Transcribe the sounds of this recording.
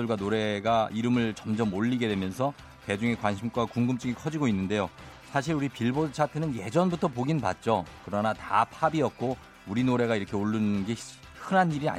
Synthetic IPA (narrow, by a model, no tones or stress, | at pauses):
ɯɭɡwanoɾe̞ɡaʔiɾɯmɯɭt͡ɕʌmd͡ʑʌmoʎːiɡe̞dwe̞mjʌnsʰʌ | te̞d͡ʑuŋe̞kwanɕʰimkwakuŋɡɯmt͡ɕ͈ɯɡikʰʌd͡ʑiɡoinːɯnde̞josʰaɕ̬ʰiɾuɾipiɭbot͡ɕʰatʰɯnɯnje̞d͡ʑʌnbutʰʌp̬oɡinpa̰t̚t͡ɕ͈okɯɾʌnata̰pʰabiʌk̚k͈o | uɾinoɾe̞ɡaiɾʌkʰe̞oɭːɯnnɡe̞ | hɯnɦaniɾia̰